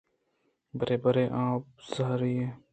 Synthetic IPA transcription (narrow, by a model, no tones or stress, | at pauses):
bəɾeːbəɾeːʔãːp̚zəɦɾiːɦeː